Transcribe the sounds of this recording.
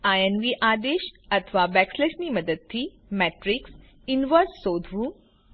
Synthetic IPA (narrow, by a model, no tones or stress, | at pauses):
ajenʋiʔaːd̪eʃət̪ʰəʋabɛkslesniməd̪əd̪̚t̪ʰːi | mɛʈɾiks | inʋəɾsːod̪ʱɾu